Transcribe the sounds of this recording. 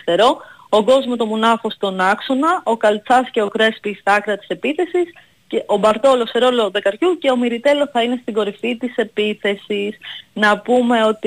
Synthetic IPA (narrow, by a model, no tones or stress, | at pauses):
t̪e̞ɾo̞ | oɡo̞zmot̪omunɐfo̞st̪o̞nɐksonɐʔo̞kɐlt͡sɐsce̞okɾe̞spist̪ɐkɾɐt̪i̥se̞piθe̞sis | ceʔo̞bɐɾt̪o̞lo̞seɾo̞lo̞ðe̞kɐɾçuce̞o̞miɾit̪e̞lo̞θɐine̞st̪iɡo̞ɾifit̪ise̞piθe̞sisnɐpume̞o̞t̪i